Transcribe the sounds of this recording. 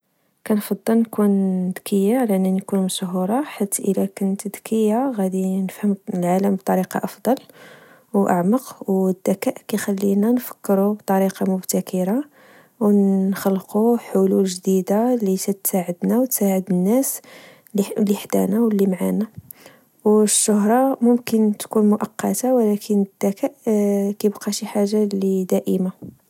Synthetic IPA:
kænfɑd̪ˤːəlnkund̪kʰəjːalæʔnːænkunmʃɦuɾˤɑħat̪ːʔəlækʊnt̪d̪kəjːaɣæd̪inəfhəmlʕaləmb̚t̪ˤɑɾiqɑ̰ʔɑfd̪ˤɑl | wʔa̰ʕməqwd̪ːækæʔkæjxælːinænfə̥kːɾubt̪ˤɑɾiqɑmʊbt̪ækʰəɾa | wxəlːquħʊlulʒd̪id̪alisæt̪saʕəd̪nawt̪saʕəd̪ənːæs | lːiħd̪æ̰næwəlːimʕana | wʃːʊɦɾˤɑmʊmkənt̪kunmʊʔɑqːɑt̪awlækʰənəd̪̥ːækæʔkæjbqɑʃiħaʒːalid̪æʔəma

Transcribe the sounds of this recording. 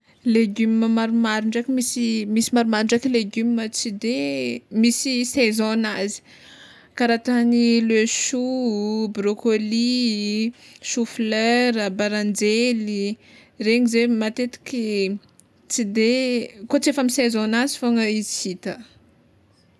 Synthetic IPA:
leɡymməmaɾumaɾuɳɖ͡ʐakʲimisimisimaɾumaɾuɳɖ͡ʐakileɡymimət͡sid̪emisisezɔnazi̥ | kaɾat̪aniløʃubɾokoli | ʃufløɾəbaɾand͡ʒeli | reɲizemat̪et̪i̥kʲi | t͡sid̪ekot͡sefamisezɔnazifoŋəizisit̪ə

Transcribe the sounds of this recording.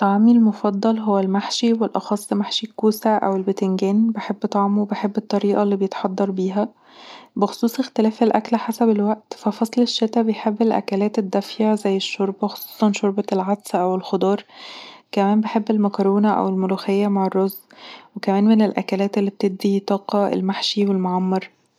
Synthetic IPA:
t̪ːˤɑʕmilmofɑd̪ˤːɑlɦowːælmaħʃiwelʔɑ̰xɑsˤːmaħʃikːuːsæʔæ̰welbet̪enɡæːnbeħebːt̪ˤɑʕmuwebeħebːet̪ˤːɑɾiːʔɑlːiːbejet̪ħɑd̪ˤːɑɾˤbiːɦæ | bexo̥sˤuːsˤext̪elæːfelʔæklħasæbelwæʔt̪fæfɑsˤleʃːet̪æbejħebːelʔæ̰kælæːt̪ed̪ːæfjaʕzæjːeʃːoɾˤbæxo̥sˤu̥ːsˤɑnʃoɾˤbɑlʕad̪sʔæwelxod̪ˤɑːɾˤkæmæːmbeħebːelmækɑɾoːnæʔæ̰welmoluːxejːæmaʕerˤːozwekæmæːnmenelʔæ̰kælæːt̪elːiːb̚t̪eb̚d̪it̪ˤɑːqɑḛlmaħʃiwelmoʕɑmːɑɾˤ

